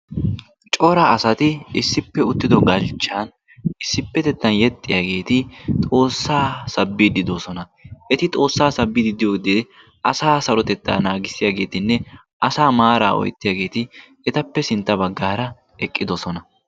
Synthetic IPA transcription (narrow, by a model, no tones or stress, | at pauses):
t͡ʃʼɔɾɐɐsɐt̪ɪɪsːɪpːɛʊt̪ːɪd̪ɔɡɐlt͡ʃːan | ɪsːɪpːɛt̪ɛt̪ːɐnjɛt̪ʼːɪjaːɡe̞ːt̪ɪt̪ʼo̞ːsːaːsɐbːɪd̪ɪd̪osɔnɐ | ʔɛt̪ɪt̪ʼo̞ːsːaːsɐbːɪd̪ɪd̪ɪjoːɡd̪ɪ | ʔɐsaːsɐɾɔt̪ɛt̪ːa̰ːnaːɡɪsːɪjaɡe̞ːt̪ɪnːɛ | ʔɐsaːmaːɾa̰ːʔɔ̰jt̪ːɪjaːɡe̞ːt̪ɪ | ɛt̪ɐpːɛsɪnt̪ːɐbɐɡːaːɾɐ | ɛkʼːɪd̪ɔsɔnɐ